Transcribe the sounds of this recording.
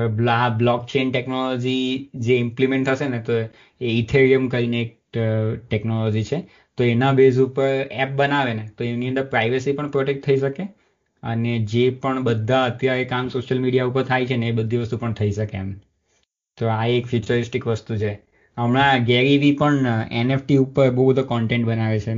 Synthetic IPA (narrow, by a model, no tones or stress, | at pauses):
bablɔkt͡ʃenʈeknolɔd͡ʒid͡ʒeɪ̃mplimẽɳʈ̪ʰəʃenet̪o | eit̪ʰeɾiəmkəɾineːk̚ | ʈeknolɔd͡ʒit͡ʃʰe | t̪oenabezupəɾɛp̚bənaʋenet̪oemniənd̪əɾpɾaiʋəsipəɳpɾɔʈek̚ʈt̪ʰəiʃəke | ə̰ned͡ʒepəɳbəd̪ʱːaət̪jaɾekamsoʃjəlmiɽijaupəɾt̪ʰajt͡ʃʰeneːbəd̪ʱːiʋəst̪upəɳt̪ʰəiʃəkem | t̪oaekfjut͡ʃəɾɪsʈikʋəst̪ut͡ʃʰe | əmɭ̃ãɡɛɾiʋipəɳḛnefʈiupəɾboubəd̪ʱokɔɳʈẽɳʈbənaʋet͡ʃʰe